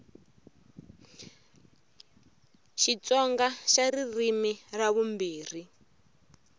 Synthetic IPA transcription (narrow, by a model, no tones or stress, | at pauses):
ʃit͡sɔŋɡaʃaririmiraβumbiːr̤i